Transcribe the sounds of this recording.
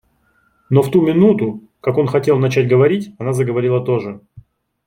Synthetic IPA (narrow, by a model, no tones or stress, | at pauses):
no̞ft̪umʲɪnut̪ʊ | kako̞nxɐtʲe̞lˠnɐt͡ɕætʲɡəvɐɾʲitʲɐnazəɡəvɐɾʲilˠət̪o̞ʐɨ